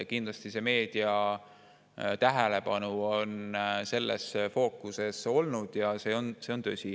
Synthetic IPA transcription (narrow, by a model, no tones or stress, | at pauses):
kind̪lɑst̪ise̞me̞ːd̪̥iɑ | t̪æɦele̞pɑnuonse̞lːʔḛsfo̞ːkːˑuse̞so̞lnud̪̥jɑse̞ːo̞nseo̞nt̪øsʲi